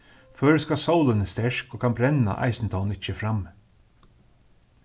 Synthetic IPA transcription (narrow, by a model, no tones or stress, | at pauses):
fœːɹskasawlɪnɪst̪ɛʂkɔːkʰanbɾɛna̰ʔa̰ɪsnt̪ʰaːwnɪt͡ʃːəfɾam